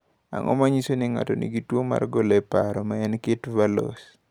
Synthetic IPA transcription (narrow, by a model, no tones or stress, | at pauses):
a̰ŋʔɔ̰maɲisoniŋa̰tonḭɡitwoma̰rɡolɛpaɾɔmaɛnketvalo̰s